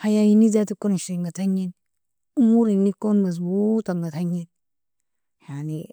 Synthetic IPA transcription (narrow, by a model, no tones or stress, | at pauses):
hajajinizatikoɾʃiŋɡataɲːin | umuɾinːikonmas̬butaŋɡataɲːin | jani